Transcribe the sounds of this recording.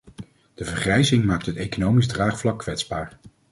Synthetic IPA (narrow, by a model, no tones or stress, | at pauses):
d̥əvəɹχrɛjzɪŋmaːk̚tɦətejkonowmizdraːχflɑkːʋɛtzbaːɹ